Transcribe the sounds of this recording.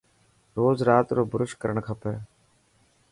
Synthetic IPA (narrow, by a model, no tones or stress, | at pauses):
ɾoːzɾaːt̪ɾoːbʊɾʊʃkəɾəɳkʰəpəɾ